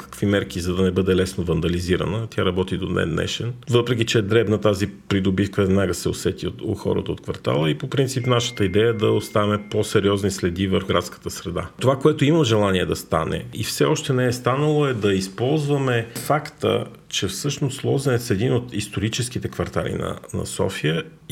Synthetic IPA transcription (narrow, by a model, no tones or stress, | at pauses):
kə̥kvimɛɾk̟izɐd̪ɐnɛbɤd̪ɛlɛsnovɐnd̪ɐliziɾə̰nət̪ʲjaɾɐbɔt̪id̪onɛ̰nːɛ̰ʃɛnvɤpɾɛk̟it͡ʃɛd̪ɾɛbnət̪azipɾid̪obifkəɛd̪naɡəsɛosɛt̪ioo̰xɔ̰ɾə̰t̪əot̪kvɐɾt̪a̰lˠəipopɾint̪sipnaʃə̥t̪əid̪ɛjəd̪ɐost̪avɐmɛposɛɾiɔznislɛd̪ivəɾxɡɾa̰t̪skə̥t̪əsɾɛd̪a̰t̪ovakoɛt̪oimɐmʒɛlˠaniɛd̪ɐst̪a̰nɛ̰ḭfsɛɔʃt̪ɛnɛɛst̪anəlˠoɛd̪ɐispɔlˠzvəmɛfakt̪ə̰ | t͡ʃɛfsɤʃnoslˠɔzɛnɛt̪sɛd̪inot̪ist̪oɾit͡ʃɛsk̟it̪ɛkvɐɾt̪a̰lḭnɐ̰nɐ̰sɔ̰fiə